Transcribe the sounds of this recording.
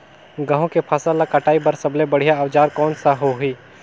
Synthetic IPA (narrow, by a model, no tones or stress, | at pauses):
ɡɐ̃ɦõkepʰaːsalakɐʈʰaːibɐɾsɐblebɐɽ̤ijaɐʋd͡ʒaːɾkɔːnsaɦoɦiː